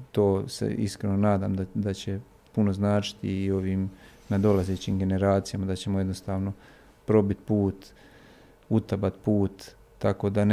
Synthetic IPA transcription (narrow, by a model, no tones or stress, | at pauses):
t̪o̞ːsḛḭskɾenonaːd̪a̰ːmd̪ad̪at͡ɕe̞ | puno̞znaːt͡ʃi̥t̪iːo̞ʋiːmnad̪o̞lazeːt͡ɕiːmɡe̞ne̞ɾaːt̪sijamad̪at͡ɕe̞moje̞d̪nost̪aːʋno̞ | pɾo̞bit̪puːt̪ | ut̪abat̪puːt̪ː | ako̞ːd̪an